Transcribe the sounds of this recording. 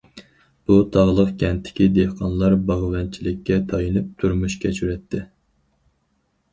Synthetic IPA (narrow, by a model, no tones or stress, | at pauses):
b̥ut̪ʰɑʁlˠəqkʲɛnt̪ʰːɪ̥kʲid̪ehqʰɑnlˠɑɾbɑʁvɛnt͡ʃʰilɪkʲʰːɛt̪ʰɑjɨnɨp̚t̪ʰuɾmuʃkʲʰɛt͡ʃʰyɾɛt̪ʰːɪ